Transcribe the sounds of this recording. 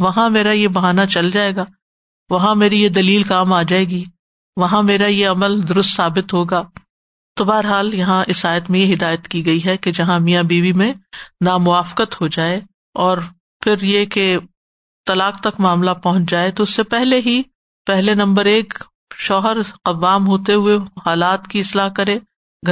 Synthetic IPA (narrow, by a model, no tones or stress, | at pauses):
ʋɐɦãmeːɾajebɐɦaːnat͡ʃɐld͡ʒaːeːɡaː | ʋɐɦãmeːɾijed̪ɐliːlkaːmaːd͡ʒaːeːɡiː | ʋɐɦãmeːɾajeɐməld̪ʊɾʊst̪saːbɪt̪ɦoːɡaː | t̪obaːəɾɦaːljɐɦãʔɪsaːjət̪mẽjeɦɪd̪aːjət̪kiɡɐiɦɛked͡ʒɐɦãmijabiːʋimẽnaːmʊaːfqət̪ɦod͡ʒaːe | ɔːɾ | fɪɾjeke | t̪ɐlaːq̚t̪ɐkmaːmlapɐɦʊ̃t͡ʃd͡ʒaːet̪oʊsːepɛɦleɦi | pɛɦlenɐ̃mbəɾeːk | ʃɔːɦəɾɐʋːaːmɦoːt̪eɦʊehaːlaːt̪kiɪslaːɦkɐɾẽː | ɡʱ